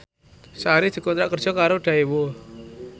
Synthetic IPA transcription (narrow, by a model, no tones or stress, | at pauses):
saɾid̪̥i̤kont̪ɾaʔkərd̥d͡ʒ̥ɔ̤kaɾoɖ̥a̤iwo